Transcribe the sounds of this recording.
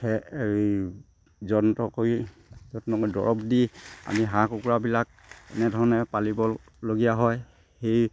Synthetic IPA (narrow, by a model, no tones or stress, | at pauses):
hɛ | zɔntɔkoj | zɔttɔkojdɔ̰ɹɔpdia̰miɦãkukuɹabilak̚ɛ̰nɛdʱɔɹɔnɛpalibɔ | loɡijaɦɔj | hej